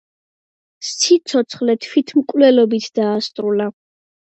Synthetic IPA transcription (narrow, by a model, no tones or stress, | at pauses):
st̪sʰit̪sʰɔt̪sʰχlɛt̪ʰwit̪ʰmkʼvlɛlɔbit̪ʰd̪̥aːst̪ʼɾula